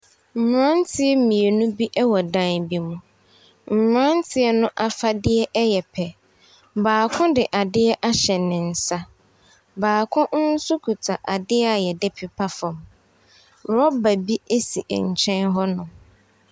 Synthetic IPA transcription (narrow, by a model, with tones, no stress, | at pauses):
m̩˨mɾã˦n˦tʰɪ˦ɛ˦mĩ˨e˨nʊ̃˦bi˦ʔɛ˦wɔ˨dã˦nbi˦mũ˨ | m̩˨mɾã˦n˦tʰɪ˦ɛ˦nʊ̃˦ʔa˦fa˦dɪ˦ɛ˦ʔɛ˦jɛ˨pʰɛ˨ | baː˨kʰʊ̃˦dɪ˨ʔa˨dɪ˦ɛ˦ʔa˦ɕɛ˨nɪ̃˨n̩˨sa˦ | baː˨kʰʊ̃˦n˦n̩˦su˦kʰu˨tʰa˨ʔa˨dɪ˦ɛ˦a˨jɛ˨dɪ˦pʰi˨pʰa˦fɔ̃˨m | ɾɔ˦ba˨bi˦e˦si˨ʔɲ̩˨t͡ɕʰɛ̃˦nɦɔ˦nʊ̃˨